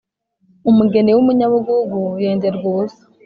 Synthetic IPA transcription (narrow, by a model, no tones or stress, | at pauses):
umuɡenewumuɲaβuɡuɡujeːndeɾɡoːse̥